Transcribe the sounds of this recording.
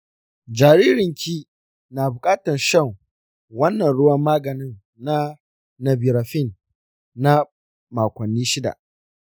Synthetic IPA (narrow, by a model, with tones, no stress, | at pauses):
d͡ʒaː˨ɾiː˦ɾɪ˨ŋkʲʰiː˦ | naː˨bʊ˨kʼaː˦tɐ˨nʃɐ˦˨ŋ | wɐ˦nːɐ˨nɽʊ˦wɐ˦mːaː˦ɡɐ˨nɪ˦nː | a˦ | nɐ˨bi˨ɾa˨ɸɪ˦˨nː | a˦ | maː˨kʷɐ˨nːiː˦ʃɪ˦da̰˨ʔ